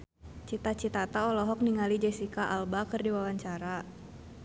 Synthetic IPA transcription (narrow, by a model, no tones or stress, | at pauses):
t͡ʃit̪at͡ʃit̪at̪aɔlɔɦɔk̚niŋalid͡ʒɛsikaʔalbakɨrdiwawaɲt͡ʃaɾa